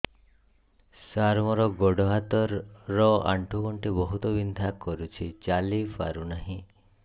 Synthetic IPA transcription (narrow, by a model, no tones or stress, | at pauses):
saɾmɔɾɔɡɔɖɔɦat̪ɔɾːɔa̰ɳʈʰukɔɳʈebɔɦut̪ɔbind̪ʱakɔɾut͡ʃʰit͡ʃalifa̰ɾunaɦĩ